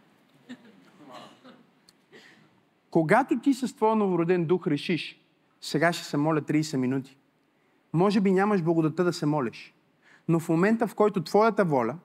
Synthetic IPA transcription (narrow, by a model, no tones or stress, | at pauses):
koɡat̪ot̪isɐst̪vɔjənovʊɾod̪ɛnd̪uxɾɛʃiʃ | sɛɡaʃɛ̥sɛmɔlʲət̪ɾiːsɛminut̪i̥ | mɔʒɛbinʲamɐʒblˠɐɡʊd̪ɐt̪əd̪ɐsɛmɔlʲɛʃ | nofmomɛnt̪əfkɔjt̪ot̪v̥ɔjət̪əvɔlʲə